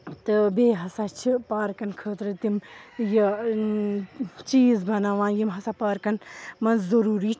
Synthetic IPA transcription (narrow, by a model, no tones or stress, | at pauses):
t̪ɨbeːɦɐsat͡ʃʰipaːɾkɐnkʰəːt̪ɾɨt̪imjɐ | t͡ʃiːzbɐnaːʋãːnjimɦɐsapaːɾkɐnmɐnzzɐɾuːɾi